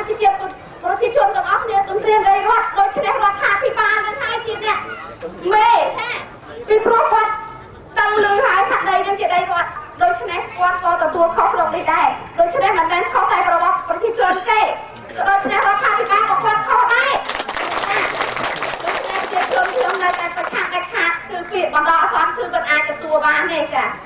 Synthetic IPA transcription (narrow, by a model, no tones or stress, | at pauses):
t͡ɕit͡ɕiət̪̚ | prɔt͡ɕiət͡ɕʊ̆ənt̪̆əŋʔɑhkʰniət̪ʊənt̪riəŋɗəjrŏət̪̚ɗoːc̚t͡ɕʰnehrŏət̪ʰːaːpʰiɓaːlnɨŋhaəjt͡ɕiənɛ̆əʔmeːna | piprŭəhkŏət̪̚ | t̪ɨŋlɨːhaəjsʰaʔɗəjnɨəŋt͡ɕiəɗəjrŏət̪̚ɗoːc̚t͡ɕʰnehkŏət̪̚kɑːt̪ɔt̪uəlkʰohsrop̚nihɗaɛɗoːc̚t͡ɕʰnehmənmɛːnkʰoht̪aɛrɔɓɑtprɑt͡ɕiət͡ɕʊ̆ənt̪eː | kɔɗoːc̚t͡ɕʰnehrŏət̪ʰːaːpʰiɓaːlpoəhkŏət̪̚kʰohɗaɛt͡ɕaː | ɗoːc̚t͡ɕʰnehprɔtʰiət͡ɕʊ̆ənkʰɲomnəwt̪aɛprɑt͡ɕʰaːŋɗac̚t͡ɕʰaːt̪̚kɨːpʰiəʔ̚ɓɑnɗɑːʔasɑnkɨːmənʔaːc̚t̪ɔt̪uəlɓaːnt̪eːt͡ɕaː